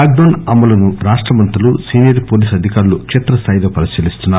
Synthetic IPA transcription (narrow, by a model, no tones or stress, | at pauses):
aɡ̚d̪oːnɐmːɐlɐnuɾaːʂʈɾɐmɐnt̪ulusiːnijɐɾpoːliːsɐd̪ʱikaːɾulukʂet̪ɾɐst̪aːjd̪ɐːpɐɾisiːlist̪unːaː